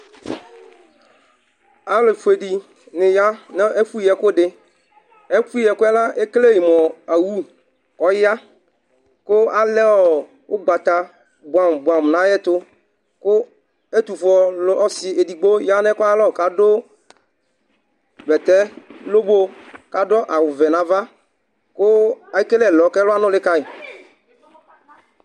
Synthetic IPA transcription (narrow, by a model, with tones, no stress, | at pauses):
a˨˦lɪ˨fu˨e˨ɖi˨ | nɪ̃˨ja˦n˦e˦fu˦ɛ˨kʊ˦ɖɪ˦ | e˦fu˦˨ɛ˨kʊ˦ɛ˦la˦e˦kle˦ji˨mɔ˨a˨wu˦ | ɔ˨ja˦ | kʊ˦a˦lɛ˦wɔ˨ | wʊ˦ɡ͡ba˨t̪a˨ | bʊ˨a˨mbwa˨m˨nã˦jɛ˦t̪ʊ˦ | kʊ˦ | e˦t̪u˨fɔ˨˦ɔ˦sɪ˨e˨di˨ɡ͡bo˦ja˦nɛ˦kʊ˦a˦lɔ˦˨ka˦dʊ˦ | vɛ˨t̪ɛ˦lo˦bo˦ka˨˦dɔ˦ʔa˨wʊ˨vɛ˨nã˨˦va˦ | kʊ˦a˨i˦ke˦lɛ˦˨lɔ˨˦kɛ˦lʊ˦a˦nʊ̃˦lɪ˦ka˦ɪ˨